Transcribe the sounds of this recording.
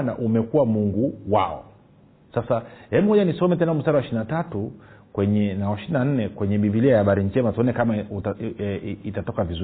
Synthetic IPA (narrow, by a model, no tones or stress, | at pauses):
naʔumɛkuwamuŋɡuwa̰ɔ̰ | sasahɛmɔʄanisɔmɛtɛnam̩staɾawaɛʃininatatukwɛɲɛnawaʃininan̩nɛkwɛɲɛɓiviliajahaɓaɾiɲd͡ʒɛmatuɔnɛkama | itatɔkavizu